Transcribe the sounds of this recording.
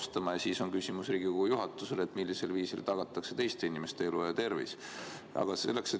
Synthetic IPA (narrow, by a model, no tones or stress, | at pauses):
st̪ɑmɑjɑsiso̞nkysʲimusriːɡ̥ikoujuɦɑt̪ːˑuse̞le̞t̪ːˑmilːise̞lviːsilt̪ɑɡ̥ɑt̪ːˑɑkse̞t̪e̞jst̪e̞inʲime̞st̪e̞elujɑt̪e̞rvḭs | ɑ̰ɡ̥ɑse̞lːe̞kse̞